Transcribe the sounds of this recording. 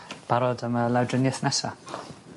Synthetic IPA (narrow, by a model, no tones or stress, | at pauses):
b̥aɾɔdəməlˠawdrənjɛθnɛsa